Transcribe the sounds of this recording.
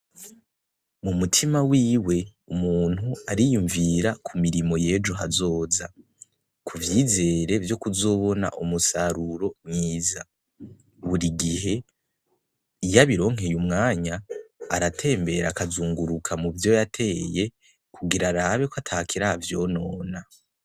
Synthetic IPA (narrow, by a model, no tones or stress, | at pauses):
mumutʰimawiːwe̞umuːn̥huaɾijuɱviɾakʰumiɾimo̞je̞ːd͡ʒuɦazo̞ːza | kʰuvjiːze̞ːɾe̞vjo̞kuzo̞βo̞na̰ʔumusaɾuɾo̞mŋiːza | βuɾiɡiɦe̞ | ijaβiɾo̞ːŋ̥ɦe̞jumŋaːɲaːɾatʰe̞ːmbe̞ɾakazuːŋɡuɾukʰamuvjo̞jatʰe̞ːje̞ | kʰuɡiɾaɾaːβekwatʰakʰiɾavjo̞no̞ːna